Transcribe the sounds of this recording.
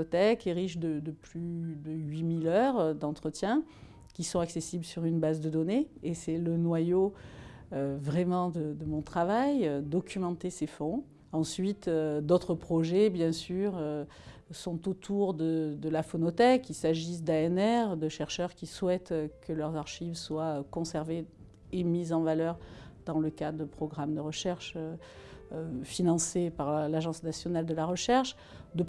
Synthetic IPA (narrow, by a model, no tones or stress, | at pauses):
t̪ɛkeʁiʃd̪əd̪əplyd̪əɥimilœʁd̪ɑ̃t̪χət̪jɛ̃ | kʲisɔ̃aksesibləsyʁynbazd̪əd̪ɔneesɛlənwajo | øvʁɛmɑ̃d̪əd̪əmɔ̃t̪χavajd̪ɔkʲʰymɑ̃t̪esefɔ̃ | ɑ̃sɥit̪ød̪ot̪χəpχɔʒebjɛ̃syʁø | sɔ̃t̪ot̪ʰuʁd̪əd̪əlafɔnɔt̪ɛkilsaʒis̬d̪aɛnɛʁd̪əʃɛʁʃœʁkʲiswɛt̪kəlœʁzaʁʃivswakɔ̃sɛʁve | emizɑ̃valœʁd̪ɑ̃ləkad̪d̪əpχɔɡʁamd̪əʁəʃɛʁʃø | øfinɑ̃sepaʁlaʒɑ̃snasjɔnald̪əlaʁəʃɛʁʃ | d̪ə